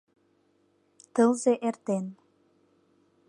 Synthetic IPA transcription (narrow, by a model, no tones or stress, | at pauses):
t̪əlzeʔert̪en